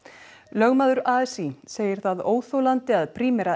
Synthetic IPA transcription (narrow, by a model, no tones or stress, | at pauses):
lœɣmaːðʏɾaːɛsiseːjɪɾ̥θaðoːwθowlant̪ɪaðpʰɾiːmɛɾa